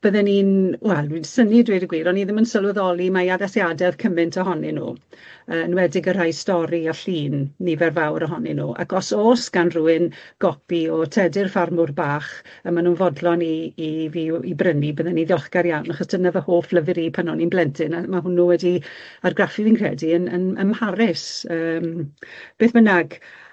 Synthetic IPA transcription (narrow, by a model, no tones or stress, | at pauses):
b̥əðɛniːnwɛlˠdwinsənidwidəɡwiːɾɔniðɪmənsəlˠwɛðɔlˠimajaðɛsjadɛv̥kʰəmɨntʰɔɦɔnɛnṵː | əːnwɛdɪɡər̥ajstɔɾiaɬiːnːivɛrvawɾɔɦɔnɛnṵːʔa̰kʰɔsoːsɡ̥anruːɨnɡ̥ɔpiɔtʰɛdɪrfarmʊrbaːχ | əmanuːnvɔdlɔniːviibrənibəðɛniðjɔχɡ̥aɾjanaχɔsd̥ənavəhoːfləvɪɾipʰanɔninblɛntʰɪnamaɦʊnːuwɛdiarɡrafɨvinkʰrɛ̰diənə̰nə̰mhaɾɪsəːmb̥eːθb̥ənaɡ